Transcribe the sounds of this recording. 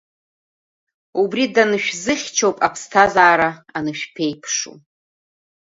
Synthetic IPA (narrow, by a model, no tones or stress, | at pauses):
ubridanɨʃᶣzɨχʲt͡ʃʰowpʼapʰstʰazaːɾaanɨʃᶣpʰe̞jpʰʂṵ